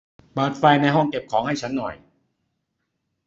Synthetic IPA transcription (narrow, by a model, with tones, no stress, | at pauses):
bɤː˨˩t̪̚fa˧jna˧jɦɔ˥˩ŋke˨˩p̚kʰɔː˩˦ŋha˥˩jt͡ɕʰa˦˥nːɔ̰˨˩j